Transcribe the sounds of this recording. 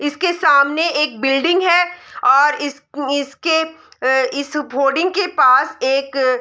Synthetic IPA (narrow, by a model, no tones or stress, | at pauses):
ɪskesaːmneeːk̚bɪlɖɪ̃ŋɡɦɛːɔːɾɪs | ɪske | ɪspoːɖɪ̃ŋɡ̚kepaːseːk